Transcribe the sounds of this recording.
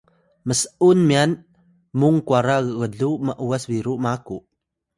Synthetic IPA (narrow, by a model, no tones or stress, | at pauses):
məsəʔunmian | muŋkuaɾaɣəɣəɮuməʔuasviɾuʔmakuʔ